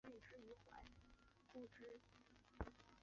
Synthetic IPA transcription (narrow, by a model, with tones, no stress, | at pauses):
i˥˩ʂɻ̩˥˩i˧˥xwa̰˧˥ɪ | ku˥˩ʈ͡ʂɻ̩˥